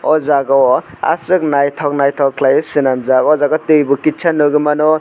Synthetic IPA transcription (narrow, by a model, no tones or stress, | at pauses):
ɔzaɡɔ | a̰sɯk̚najtʰawk̚najtʰawkʰlajɯsɯnamzaɡɔzaɡɔtɯjbukit͡ʃʰanːɯɡɯmanɔ